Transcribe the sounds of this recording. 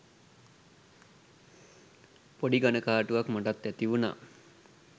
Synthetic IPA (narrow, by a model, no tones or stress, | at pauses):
poɖiɡanəkaːʈuʋakmaʈat̪ːæt̪iʋuna̰ː